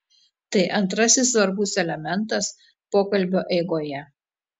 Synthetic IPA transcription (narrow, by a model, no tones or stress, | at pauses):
t̪ɐɪʔɐnt̪ɾɐsʲɪs̬ːʋɐɾbʊsɛlʲɛmʲɛnˑt̪ɐs | poːkɐlʲbʲoːʔɛɪɡoːjɛ